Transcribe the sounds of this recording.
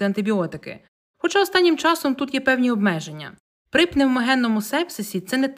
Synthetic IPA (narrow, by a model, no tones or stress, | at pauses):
ɪɐnt̪ɪbʲiɔt̪ɪkɪ̰ | xɔt͡ʃɑɔst̪ɑnʲːɪmt͡ʃɑsɔmt̪ut̪jɛpɛwnʲiɔbmɛʒe̞nʲːɐ̰ | pɾɪpnɪwmɐɦɛnːɔmʊsɛpsɪsʲit̪sɛnɛt̪